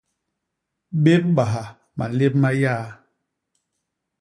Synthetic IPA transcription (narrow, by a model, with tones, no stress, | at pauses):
be˦p̚ba˨ɦa˨ | ma̰˨le˦p̚ma˦jaː˦